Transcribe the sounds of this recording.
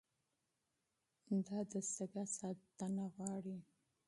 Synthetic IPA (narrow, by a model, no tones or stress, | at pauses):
d̪ɑd̪əsəɡasɑt̪ːanaɣwɑɽi